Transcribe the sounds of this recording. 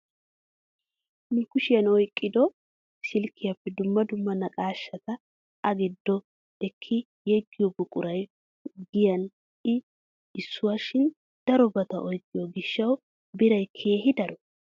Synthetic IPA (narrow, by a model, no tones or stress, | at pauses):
nʊkʊʃɪjɐnɔjkʼːɪd̪ɔ | sɪlkʰːɪjɐpːɛd̪ʊmːɐd̪ʊmːɐnɐkʼaːʃːɐt̪ɐ | ʔɐɡɪd̪ːɔ | ɛkʰːɪ | jɛɡːɪjɔbʊkʼʊɾɐj | ɡɪjɐn | ʔɪ | ɪsːʊwaːʃɪn | d̪̥ɐɾɔbɐt̪ɐʔɔjkʼːɪjɔɡɪʃːɐw | bɪɾɐjkʰe̞ːɦɪd̪ɐɾɔ